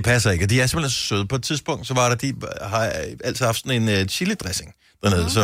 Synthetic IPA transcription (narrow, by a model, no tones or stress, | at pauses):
epʰæsɐe̝ɡ̥əɒd̥iæɐsemb̥lenssøð̞ˠpʰɒ̽ed̥̚t͡sʰiðˠsb̥ɔ̽ŋ̰d̥sɒ̽ʋɑ̈ɾ̥ɑd̥ihɑ̈æl̰t͡sʰiðˠhɑfd̥sɒ̽ne̝nɕiləd̥ʁɛse̝ŋ | d̥æɐne̝ðˠsɒ̽